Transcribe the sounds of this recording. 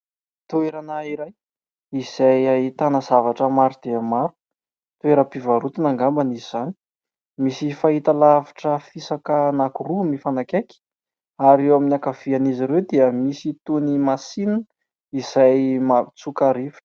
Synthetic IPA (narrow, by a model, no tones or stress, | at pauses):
t̪ueɾanaiɾaj | iz̥ajait̪anazavaʈ͡ʂəmaɾud̪eamaɾu̥ | t̪ueɾəpivaɾut̪inaŋɡambaniizani̥ | misifaɦit̪alavḁʈ͡ʂəfisakənakurumifanakeki̥ | aɾewaminakav̥ianiziɾewd̪iəmisit̪unimasinə | iz̥ajmat͡sukaɾifi̥